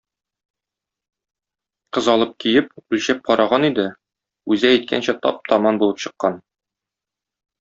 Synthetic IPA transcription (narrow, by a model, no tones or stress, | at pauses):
qɤzɒlˠɤp̚kijɘpʉlɕæp̚qɒɾʔɑʁɑnid̪ɘ | ʉzæːjt̪̚kʰæ̰nɕæt̪ɒ̰p̚t̪ʰɒmɑnbulˠɤpɕɤ̆qːɑn